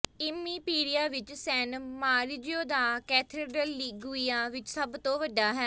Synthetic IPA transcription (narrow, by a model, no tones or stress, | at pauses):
ɪmiːpiːɾijaːʋɪt͡ʃsɛːnmaːɾd͡ʒijõːd̪aːkɛːt̪ʰeːɖəlːiːɡʊiːaːʋɪt͡ʃsəbt̪õːʋəɖːaːɦɛː